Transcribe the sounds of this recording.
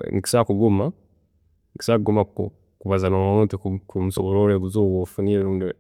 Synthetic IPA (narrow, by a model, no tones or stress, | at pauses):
ŋiki̥sakuɡuma | ŋiki̥sakuɡumako̰ | kuβazanoanutikukumusoβoɾoːɾeːβuzoβofuniːɾeɾuːndi